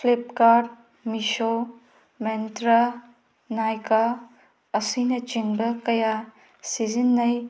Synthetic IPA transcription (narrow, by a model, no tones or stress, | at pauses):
plep̚kaɾ | miso | mentɾa | najkaː | sinɐt͡ʃiŋbɐkɐja | sizinːɐj